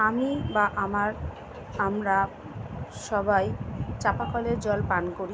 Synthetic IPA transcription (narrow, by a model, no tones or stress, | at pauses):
amibaʔamaɾ | amɾa | ʃɔbajt͡ɕapakɔleɾd͡ʑɔlpankoɾi